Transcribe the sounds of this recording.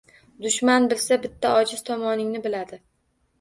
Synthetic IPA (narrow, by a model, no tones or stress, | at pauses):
d̪ʊʃmanbɪlsabɪt̪ʰːaɒd͡ʒɪz̥t̪ʰɒmɒnɪŋnɪbɪlad̪ɪ